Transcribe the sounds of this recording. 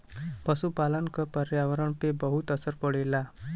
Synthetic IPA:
pʌsupalənkʌpəɾjaʋʌɾəɳpebʌɦut̪ʌsəɾpəɽela

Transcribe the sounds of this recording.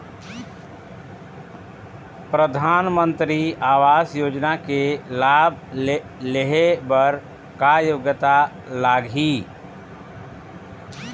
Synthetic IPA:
pɾəd̪ʱanmənt̪ɾiawasjoːd͡ʒnakelabʱ | leɦebəɾ | kajoɡət̪a | laɡʱi

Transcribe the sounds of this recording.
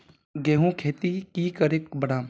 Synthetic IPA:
ɡeːɦũkʰeːt̪ikiːkəɾekbəɽaː

